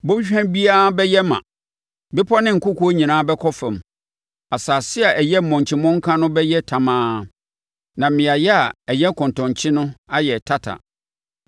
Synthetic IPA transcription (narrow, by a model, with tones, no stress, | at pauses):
bo˦bi˦ɕᶣɛ̃˦bi˦a˦bɛ˦jɛ˦mã̰˨ | bɪ˦pʰɔ˦nɪ̃˦ŋ̩˨kʰʊ˦kʰu˦ɲĩ˨nãː˦bɛ˦kʰɔ˦fɛ̃˨m | a˨saː˨sɪ˦a˨ʔæ˨jɛ˦m̩˨mɔ̃˨ɲ˨t͡ɕʰɪ˨mɔ̃˦ŋ̩˦kʰã˦nʊ̃˦bɛ˦jɛ˦tʰã˨mãː˦ | nã˨m˦mɪ̃˨a˨jɛ˦a˨ɛ˨jɛ˦kʰɔ̃˨ntɔ̃˨ɲ˨t͡ɕʰɪ̃˦nʊ̃˦a˦jɛ˨tʰa˦tʰa̰˨